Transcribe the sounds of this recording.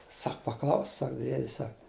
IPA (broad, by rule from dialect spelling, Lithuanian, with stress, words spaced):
ˈsɐk pɐˈklˠɐʊsk ˈsɐk ˈdʲiɛdʲɪs ˈsɐk